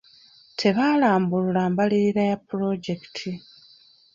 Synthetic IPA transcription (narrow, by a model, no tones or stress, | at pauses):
tʰe̞βaːlaːmbululaːmbaliɾiɾajapːuɾo̞ɟe̞ki̥tʰi